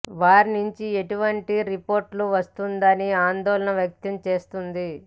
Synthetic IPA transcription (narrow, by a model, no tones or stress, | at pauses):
ʋaːɾinuɲt͡ʃieʈuʋɐɳʈiɾipo̞ːɾʈluʋɐst̪und̪ɐniaːnd̪ɔːlɐnɐʋjɐk̚t̪ɐmt͡ʃe̞ːst̪und̪i